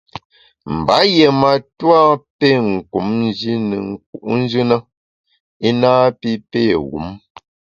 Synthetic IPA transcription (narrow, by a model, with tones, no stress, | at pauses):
m̩˨ba˨˦je˨ma˨twa˦pe˦˨ŋ̩˨ku˨˦mn˦d͡ʒi˦nə̰˨ŋ̩˦k̚ṵ˨˦ʔn̩˦d͡ʒɨ˦nə˦ | i˦naː˦pi˦pe˦˨ɣṵ˨˦m